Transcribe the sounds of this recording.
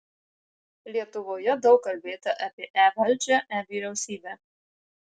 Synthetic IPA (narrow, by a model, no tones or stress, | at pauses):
lʲiɛt̪ʊʋoːjɛd̪ɒʊkːɐlʲbʲeːt̪ɐʔɐpʲiɛʔæːʋɐlʲt͡ʃʲɛʔæːʋʲiːɾʲɛʊsʲiːbʲæː